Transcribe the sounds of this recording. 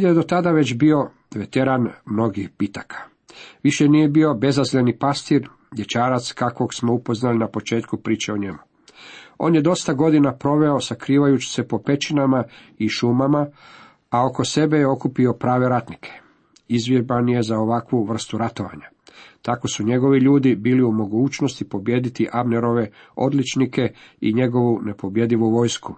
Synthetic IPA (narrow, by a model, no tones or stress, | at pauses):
jed̪o̞t̪ad̪aʋe̞t͡ɕbio̞ | ʋe̞t̪e̞ɾanmno̞ɡixbit̪akʰḁ | ʋiʃe̞nije̞bio̞be̞zazlenipast̪iɾ | d̪je̞t͡ɕaːɾat̪skako̞ɡsmo̞upo̞znalinapo̞t͡ʃe̞ːt̪kupɾiːt͡ʃeo̞ɲe̞mu | o̞̰ːnjed̪o̞st̪aɡo̞d̪inapɾo̞ʋe̞o̞sakɾiːʋajut͡ɕi̥se̞po̞pe̞t͡ʃinama | iʃumama | ao̞ko̞se̞be̞jeo̞kupio̞pɾaːʋe̞ɾat̪nikʰe̥ | izʋjebanje̞zaoʋakʋuʋr̩st̪uɾat̪o̞ʋa̰ɲa | t̪ako̞suɲe̞ɡo̞ʋiʎuːd̪ibiːliumo̞ɡuːt͡ʃno̞st̪ipo̞bje̞d̪it̪iʔaʋne̞ɾo̞ʋe̞ | o̞d̪lit͡ʃnikʰe̞ḭɲe̞ɡo̞ʋune̞po̞bje̞d̪iʋuʋo̞ːjsku